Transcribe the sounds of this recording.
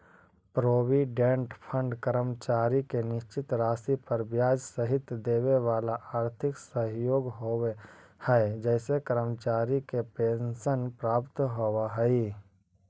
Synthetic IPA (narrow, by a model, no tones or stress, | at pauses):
pɾoːʋiɖẽɳʈpʰə̃ɳɖkəɾəmt͡ʃaːɾikenɪʃt͡ʃɪt̪ɾaːsipɐɾbjaːd͡ʒsəɦɪt̪d̪eːʋeʋaːlaʔaːɾt̪ʰɪksəɦjoːɡɦoehɛed͡ʒɛːsekəɾəmt͡ʃaːɾikepẽːnʃənpɾaːpt̪ɦoʋaɦɛi